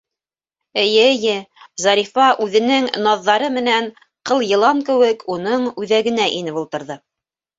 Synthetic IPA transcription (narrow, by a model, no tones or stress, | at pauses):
ɘ̆jɘjɘzɑɾʲifɑʔʉðɘ̆nɘŋnɑðːɑɾɤmɘ̆næn | qɤlˠjɤ̆lˠɑŋkɘ̆wɘkʰunɤɴʉðæɡɘ̆næʔinɘpulˠt̪ɤ̆ɾðɤ